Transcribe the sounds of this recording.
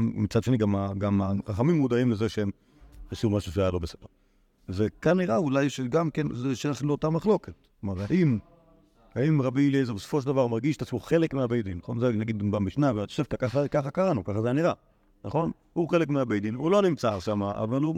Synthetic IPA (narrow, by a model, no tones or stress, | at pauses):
mit͡sadʃeniɡamaɡamaʁaχamimːud̪aimlezeʃeem | χaʃuvmaʃuʃajalo̞besed̥eʁ | zekanːiʁaulajʃeɡamkenzeʃelaʃnloːt̪amaχlo̞ket̪̚ | maʁaʔim | haimʁabilezebeso̥fo̞ʃeld̪avaʁmaʁɡiʃt̪at͡smoχe̞lekmeabejd̪inaχo̞nzenaɡid̪bamiʃnaveat̪o̥ʃevt̪akaχakaχakaʁanukaχazeaniʁa | naχo̞n | huχe̞lekmeabejd̪invuloanimt͡saʁʃamaʔa̰valu